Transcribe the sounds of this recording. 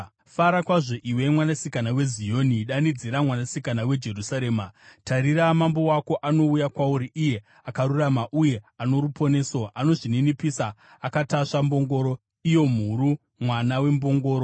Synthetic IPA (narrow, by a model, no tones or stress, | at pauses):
faɾakwaʐo̞ʔiwe̞mwanasikanawe̞zijoːniɗanid͡ziɾamwanasikanawe̞d͡ʒe̞rusaɾe̞ːmataɾiɾamambo̞wako̞ʔano̞ujakwauɾiʔije̞ | akaɾuramaʔuje̞ano̞ɾupo̞ne̞so̞ʔano̞ʐininipisaː | kataʂambo̞ŋɡo̞ːɾo̞ | ijo̞m̤uɾu | mwanawe̞mbo̞ŋɡo̞ːɾo